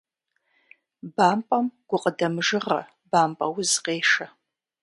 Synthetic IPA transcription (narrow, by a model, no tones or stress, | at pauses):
baːmpʼɐmɡ̥ʷʊqʼədɐmʐɨʁɐ̰ | baːmpʼɐwʊzqʼeːʂɐ